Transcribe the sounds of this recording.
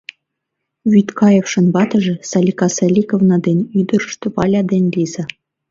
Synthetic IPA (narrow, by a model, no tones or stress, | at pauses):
βʲyt̪kɑjefʃɤ̆nbɑt̪ɤ̆ʒĕsɑlʲikɑselʲikovnɑd̪enʲyd̪ə̆ɾə̆ʃt̪ɤ̆pɑlʲɑd̪enʲlʲizĕ